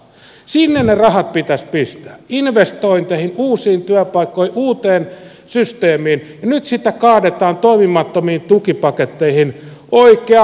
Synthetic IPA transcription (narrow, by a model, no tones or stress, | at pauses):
sinːennerɑhɑt̪̚pit̪æspist̪æ̥ːinʋest̪oint̪ehinuːsiːnt̪yæpɑikːoiʔuːt̪eːn | syst̪eːmiːnjɑnyt̪sit̪ːækɑːdet̪ɑːnt̪oimimɑt̪ːomiːnt̪ukipɑket̪ːeihinʔoikˑeɑ